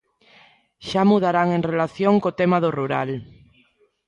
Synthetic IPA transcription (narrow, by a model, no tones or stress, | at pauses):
ʃamuð̞aɾaŋeŋrelaθjoŋkot̪emaðoruɾal